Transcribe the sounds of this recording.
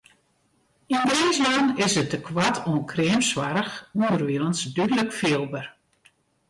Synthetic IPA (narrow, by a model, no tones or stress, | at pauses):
indeːzlɔnɪsət̚əkʰwatʰonkʰrɪːmsʋaɾəxundərʋiələnsdydələkfɪəlˠbər